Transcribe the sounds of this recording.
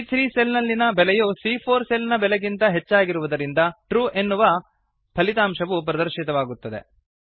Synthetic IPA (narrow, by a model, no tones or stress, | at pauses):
t̪ʰɾiːselnɐlːinɐbɛlɛjusiːpʰoːɾselnɐbɛlɛɡint̪ɐɦet͡ʃːaːɡiɾuʋud̪ɐɾind̪ɐʈɾuːʔe̞nːuʋɐ | pʰɐlit̪aːmʃɐʋup̬ɾɐd̪ɐɾʃit̪ɐʋaːɡut̪ːɐd̪e̞̰